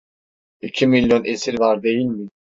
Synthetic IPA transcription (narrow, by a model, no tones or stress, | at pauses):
icʰimilʲjonʔɛsiɾvaɾd̪ejilʲmi